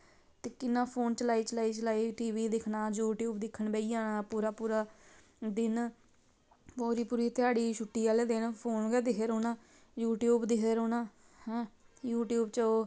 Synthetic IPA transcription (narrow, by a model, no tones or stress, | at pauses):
t̪eːkɪnːãːpʰoːnt͡ʃəlaːiːt͡ʃəlaːiːt͡ʃəlaːiːʈiːʋiːd̪ɪkʰnaːd͡ʒuːʈjuːbd̪ɪkʰːəɳbeːiaːnaːpuːɾaːpuːɾaː | d̪ɪn | poːɾiːpuːɾiːt̪ɪaːɽiːʃʰʊʈːiːaːled̪ɪnpʰoːnɡɛːd̪ɪkʰeːɾoːnãː | juːʈjuːbd̪ɪkʰeːɾoːnãː | hɛ̃ːjuːʈjuːbt͡ʃəoː